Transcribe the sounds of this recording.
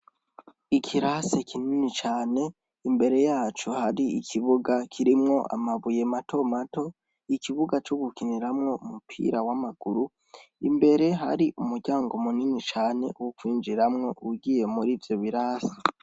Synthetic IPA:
ikʰiɾasekʰininit͡ʃaːne̞ | imbe̞ɾe̞jaːt͡ʃuhaɾiikʰiβuɡakʰiɾimŋo̞ʔa̰maβuje̞matʰo̞mato̞ | ikiβuɡat͡ʃoɡukiniɾamŋo̞umupʰḭɾawamaɡ̥uɾu | ḭmbe̞ɾe̞ɦa̰ɾiʔumuɾɟaːŋɡomuninit͡ʃaːne̞̰wukwiːnd͡ʒiɾamŋo̞uɡije̞muɾiːvjo̞βiɾase̥

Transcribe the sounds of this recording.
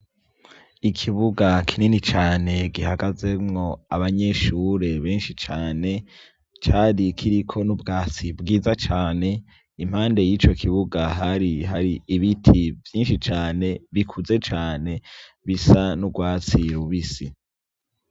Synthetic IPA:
ikʰiβuɡakʰininit͡ʃaːne̞ɡiɦaɡaze̞mŋo̞aβaɲe̞ʃuːɾe̞βe̞ːnʃit͡ʃaːne̞ | t͡ʃaːɾikʰiɾikʰo̞nubɡaːt͡sibɡiːzat͡ʃaːne̞ | im̥haːnde̞jiːt͡ʃo̞kʰiβuɡaɦaɾiɦaɾiiβitʰivjiːnʃit͡ʃaːne̞βikʰuze̞t͡ʃaːne̞ | βisanubɡwaːt͡siɾuβisi

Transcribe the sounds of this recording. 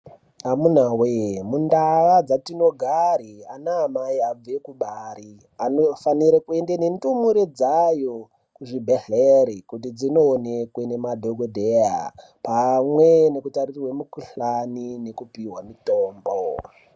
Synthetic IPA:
amunawemundaʋad͡zatino̞ɡʱaɾianaːmaiab͡ve̞kuɓaɾi | anofaniɾekue̞ndene̞ndumuɾed͡zajo̞ | kuʐibʱeɮeɾikut̬id͡zino̞ːnekwe̞ne̞madʱoɡʱodʱeja̰ | pamwene̞kutaririwemukuɬanine̞kupiwamitoːmbo

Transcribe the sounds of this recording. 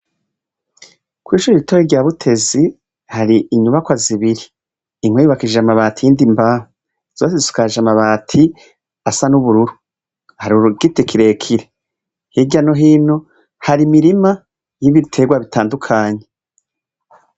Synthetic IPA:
kwiːʃuːɾiitoɾiɾɟaːβutʰe̞zi | haɾiʔiɲuβakwaziβiɾiː | ŋ̥wejuβakiʒamaβaːtijindimbaho | z̥o̞ːs̬ezi̥u̥kaʒamaβaːtʰi | asanuβuɾuɾu | haɾiuɾuɡitikʰiɾe̞ːkʰiɾe | hiɟanoɦiːno | haɾimiɾima | jiβitʰe̞ɡwaβitʰaːndukʰaːɲe

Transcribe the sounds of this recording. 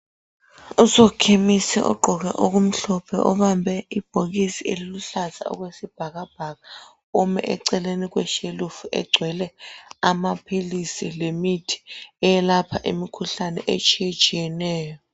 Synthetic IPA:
uzɔkʰemisɛ̰ʔɔ̰ɡ͡ǃʱɔɣ̬ɛʔok̬um̩ɬɔpʰɛ̰ʔɔ̰ɓambʱɛib̥ʱoɣ̬isieliluɬaza̰ɔ̰k̬wesib̥ʱaɣab̥ʱaɣa | umɛ̰ʔɛǀɛlenik̬wɛʃelufuʔɛ̰ɡ͡ǀʱwɛlɛamapʰilisilemitʰi̥ɛjɛlapʰaʔimikʰuɬanɛ̰ʔet͡ʃʼijet͡ʃʼijɛnɛːjɔ

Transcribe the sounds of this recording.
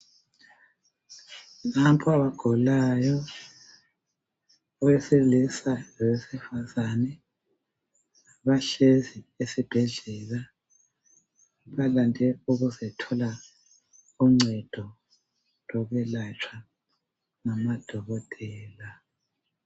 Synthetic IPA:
nampʰɔaβaɡ̥ʱɔlajɔ | ɔwɛselisajɔwesifazanɛ | βaɬeziesib̥ʱɛɮɛla | βalandʱɛuɣuzɛtʰɔla | uŋ͡ǀɛd̥ʱɔ | lɔɣɛlat͡ʃʰwa | ŋamad̥ʱɔɣɔtʼɛːla

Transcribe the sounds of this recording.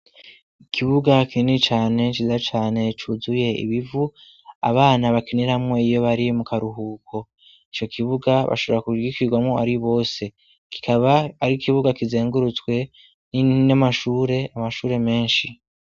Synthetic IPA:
ikʰiβuɡakinit͡ʃaːne̞t͡ʃiːzat͡ʃaːne̞t͡ʃuːzuje̞ḭβivu | a̰βaːnaβakiniɾamŋo̞ijo̞βaɾimukaɾuɦuːkʰo̞ | it͡ʃo̞kʰiβuɡaβa̰ʃo̞βo̞ɾakuɡikiɡwamŋo̞aɾiβo̞ːse̞ | ki̥kʰaβaːɾikʰiβuɡakize̞ːŋɡuɾut͡swe̞ | ninamaʃuːɾe̞amaʃuːɾe̞me̞ːnʃi

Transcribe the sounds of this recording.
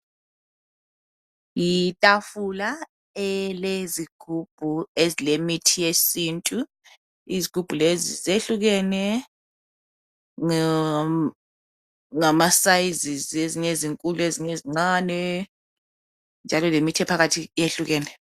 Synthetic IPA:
jitʼafula | ɛleziɡ̥ʱub̥ʱuezilemitʰijesintʼu | iziɡ̥ʱub̥ʱulezizeɬuɣ̬ɛnɛ | ŋamasaizizeziɲeziŋkʼulueziɲeziŋ͡ǀaːnɛ | nd͡ʒʱalɔlemitʰɛpʰaɣatʰijeɬuɣɛːnɛ

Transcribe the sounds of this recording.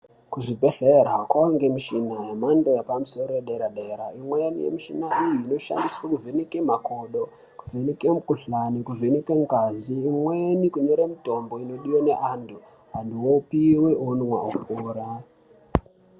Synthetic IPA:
kuʐibʱe̞ɮeɾakwaŋɡe̞miʃinajemando̞japamuso̞ɾojeɗeɾaɗeɾaimwenḭjḛmiʃinaijiːno̞ʃa̰ndiswakuvʱenekemako̞ɗo | kuvʱenekemukuɬanikuvʱenikeŋkaziːmwenikuɲo̞ɾamito̞mbo̞ino̞ɗiwone̞ʔandu | ɦandiwopiweʔonwa̰ukuːɾa

